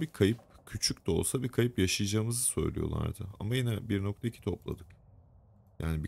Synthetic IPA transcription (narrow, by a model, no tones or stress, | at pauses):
bikʰajɯp̚cʰyt͡ʃʰycʲt̪ɛo̞̰lˠsabikʰajɯpjaʃɯjɯd͡ʒaːɯmɯzɯsø̞̰jlʲḭjo̞̰lˠa̰ɾd̪ɯa̰majinɛbiɾnok̚t̪ʰaicʰi̥t̪ʰo̞plˠa̰d̪ɯk | ja̰ːnibi